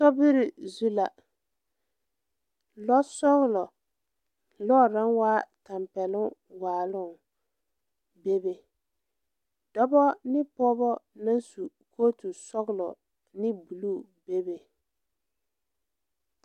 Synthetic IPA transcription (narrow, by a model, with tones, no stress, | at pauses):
sɔ˦bɪ˦ɾɪ˨zu˦la˨ | lɔ˦sɔ˦ɣʊ˦˨lɔ˨ | lɔ˦˨ɾa˦ŋwaː˦ta˨mpɛ˨lʊ˦waː˨lʊ˦˨ŋ | be˦be˨ | d̥ɔ˦bɔ˦nɪ˦pɔ˦bɔ˦na˦nsu˨ | kʰoː˦tu˨sɔ˦ɣɪ˨lɔ˨ | nɪ˦bu˨lu˦˨ | be˦be˨